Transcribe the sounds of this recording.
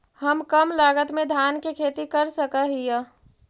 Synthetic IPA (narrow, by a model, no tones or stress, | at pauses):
həmkəmlaːɡət̪mẽd̪ʱjaːnkekʰeːt̪ikəɾsəkəɦija